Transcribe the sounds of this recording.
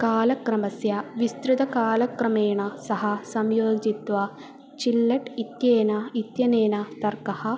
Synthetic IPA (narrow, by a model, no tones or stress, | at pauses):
kaːlɐkɾɐmɐsjɐʋist̪ɾud̪ɐkaːlɐkɾɐmeːɳɐsɐɦɐsɐmjoːd͡ʒit̪ʋɐ | t͡ʃilːɐʈit̪jeːnɐit̪jɐneːnɐt̪ɐrkɐhɐ